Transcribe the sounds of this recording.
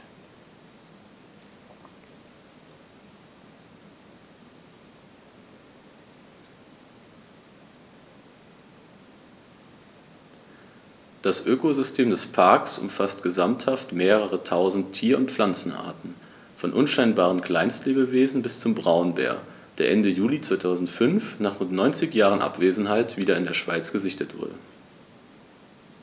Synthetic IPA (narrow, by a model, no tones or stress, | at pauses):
d̥asʔøːkozʏstʰeːmdɛspʰaɐksʔʊ̰mfastɡ̥əzamthaftmeːʁəʁətʰaʊzn̩tʰːiːɐʊntp͡flant͡sn̩ʔa̰ːɐtn̩ | fɔnʔʊnʃaɪnbaːʁ̞ənkl̥aɪnstleːbəveːzn̩bɪst͡sʊmbʁaʊnbɛ̰ːɐ | d̥eːɐʔɛndəjuːlit͡sv̥aɪtʰaʊzn̩tfʏnfnaːχʊntnɔʏnt͡sɪçjaːʁənʔa̰pv̥eːzn̩haɪtv̥iːɾɐɪndeːɐʃv̥aɪt͡sɡ̥əzɪçtətv̥ʊ̰ɐdə̰